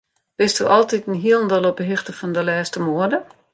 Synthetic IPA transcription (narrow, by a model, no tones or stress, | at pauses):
b̥ɪstuʔɔlˠtitnɦiəlˠəndəlˠɔbəɦɪxtəfɔndəlɛːstəmoədə